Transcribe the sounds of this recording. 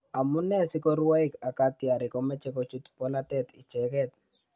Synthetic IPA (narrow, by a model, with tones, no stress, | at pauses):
a˨mu˦nɛ˦sɪ˦kɔ˦ɾwa˦ika˨ka˦t̪ɪ˨a˨ɾɪ˨kɔ˦mɛ˦t͡ʃɛ˦ko˦t͡ʃu˦t̪pɔ˦la˦t̪ɛ˨t̪i˨t͡ʃɛ˨kɛ˦t̪̚